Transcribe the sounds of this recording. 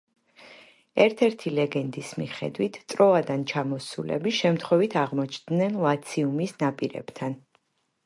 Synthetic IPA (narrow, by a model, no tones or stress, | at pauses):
ɛɾt̪ʰɛɾt̪ʰilɛɡɛnd̪ismiχɛ̰d̪wit̪ʰt̪ʼɾɔad̪ant͡ʃʰamɔsṵlɛ̰biʃɛmt̪ʰχwɛvit̪ʰaʁmɔt͡ʃʰd̪nɛnlˠat̪sʰiumisnapʼiɾɛ̰b̥t̪ʰan